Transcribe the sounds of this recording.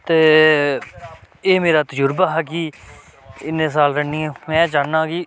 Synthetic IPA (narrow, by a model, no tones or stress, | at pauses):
t̪eː | eːmeːɾaːt̪əd͡ʒʊɾbaːɦɛːkiː | ɪnːẽːs̬aːlɾəɳiːɛ̃ːmɛ̃ːt͡ʃaːnãːkiː